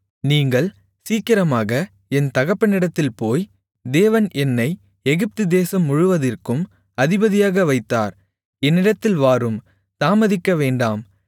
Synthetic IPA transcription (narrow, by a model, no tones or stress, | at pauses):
niːŋɡɐɭ | siːkɪɾɐmaːɣɐ | ɛnt̪ɐɣɐpːɐnɪɽɐt̪ːɪlpoːj | d̪eːʋɐnʔɛnːɐɪ | ɛɣɪp̚t̪ɯd̪eːsɐmːʊɻʊʋɐðɪrkɯm | ɐðɪbɐðɪjaːɣɐʋɐɪt̪ːa̰ːɾ | ɛnːɪɽɐt̪ːɪlʋaːɾɯm | saːmɐðɪkːɐʋeːɳɖaːm